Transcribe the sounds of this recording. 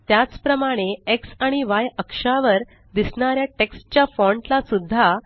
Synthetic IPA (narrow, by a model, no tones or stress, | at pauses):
t̪jat͡spɾəmaɽ̃eeksaɽ̃iʋajəkʂaʋəɾ | d̪isɳaɾjaʈeksʈt͡ɕjafɔɳʈlasud̪ʱːa